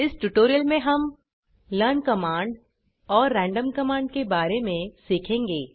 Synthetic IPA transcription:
ɪsʈuːʈoːɾijəlmẽɦɐm | ləːnkɐmãːɳɖ | ɔːɾːɛ̃ːɳɖəmkɐmãːɳɖkebaːɾemẽsiːkʰẽːŋɡeː

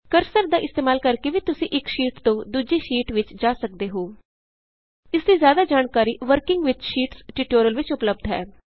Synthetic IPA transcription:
kəɾsəɾd̪aːʔɪst̪eːmaːlkəɾkeʋiːt̪ʊsĩːʔɪkʃiːʈt̪õːd̪uːd͡ʒiːʃiːʈʋɪt͡ʃd͡ʒaːsək̚d̪eːɦoː | ɪsd̪iːzjaːd̪aːd͡ʒaːnkaːɾiːʋəɾkɪ̃ŋɡʋɪt͡ʃʃiːʈsʈiʈoːɾəlʋɪt͡ʃʊpləb̚d̪ʱɦɛ̰ː

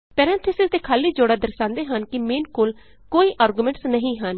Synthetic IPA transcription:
pɛːɾɛ̃ːnt̪ʰəsɪsd̪eːkʰaːliːd͡ʒoːɽaːd̪əɾsãːnd̪eːɦənkɪmẽːnkoːl | koːiːʔaːɾɡumẽɳʈsnəɦĩːɦən

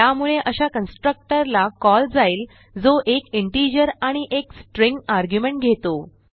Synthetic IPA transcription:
jamuɭeʔəɕakənsʈɾək̚ʈəɾlakɔld͡zaiːl | d͡zoʔekiɳʈid͡ʑəɾãiʔeksʈɾiŋɡaɾɡjumeɳʈ̚ɡʱet̪o

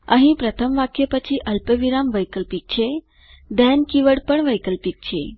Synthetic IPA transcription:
ə̰ɦĩpɾət̪ʰəmʋakjəpət͡ɕʰiʔəlpəʋiɾamʋəjkəlpik̚t͡ɕʰe | d̪ɛnkiʋəɽpəɳʋəjkəlpik̚t͡ɕʰḛ

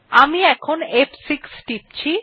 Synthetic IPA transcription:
amiɛkʰonepsiksʈip̚t͡ɕʰi

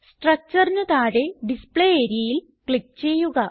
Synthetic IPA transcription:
sʈrɐk̚t͡ɕɐrnɐðaːɽe̞ɖispɭeeːɾjɐjil | kɭik̚t͡ɕe̞jːuɣɐ

